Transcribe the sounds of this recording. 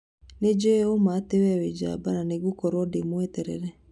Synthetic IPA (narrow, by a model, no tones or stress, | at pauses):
ned͡ʒeomatewɛwed͡ʒa̰bananeɡukɔɾwɔdemwɛtɛɾɛɾɛ